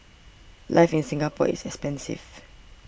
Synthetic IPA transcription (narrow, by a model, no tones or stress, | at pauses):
lʔaɪfĩnsĩŋɡapʰɔ̰ḭsɛkspɛ̃nsḭv